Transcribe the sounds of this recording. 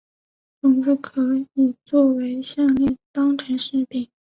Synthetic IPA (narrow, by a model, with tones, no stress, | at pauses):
ʈ͡ʂʊ˨˩ŋfu˥˩kʰɤ˧˥i˨˩t͡swɔ˥˩we˧˥ɪɕjɑ˥˧ŋlɛ˥˩t̪ɑ˥ŋʈ͡ʂʰə˧˥nʂɻ̩˥˩pi˨˩˦ŋ